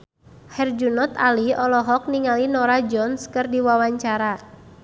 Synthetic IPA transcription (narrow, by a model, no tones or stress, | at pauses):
hɛrd͡ʒunɔt̪aliɔlɔɦɔk̚niŋalinɔɾad͡ʒɔnskɨrdiwawaɲt͡ʃaɾa